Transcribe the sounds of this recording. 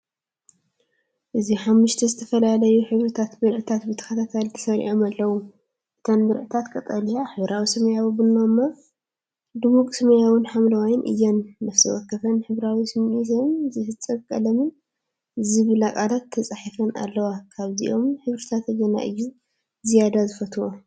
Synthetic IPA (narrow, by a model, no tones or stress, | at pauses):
ʔɨziħamːuʃt̪ʰɐzɨt̪ʰɐfɐlalɐjuħɨβɾɨt̪ʰat̪bɨɾʔɨt̪ʰat̪bɨt̪ʰɐ̥xɐt̪ʰat̪ʰalt̪ʰɐ̥sɐɾḭʔomalːɐwu | ʔɨt̪ʰɐnbɨɾʔɨt̪ʰat̪kʼɐt̪ʼɐlijaħɨβɾawisɐmɐjawibɨnːomːa | d̪ɨmukʼsɨmɐjawɨnħamlɐwajɪnʔɨ̰jːɛnːnɐfsiwɔkːɐfɐnħɨβɾawisɨmizɐmzɨhɨt͡sʼːɐkʼɐlɐmɨn | ʔɨzibɨlakʼalat̪ʰːɐt͡sʼaħifɐna̰lːɐwakʰaβziʔo̞mħɨβɾɨt̪ʰat̪ɐjɐna̰ʔɨ̰jːu | zijad̪azɨfɐt̪ʰwo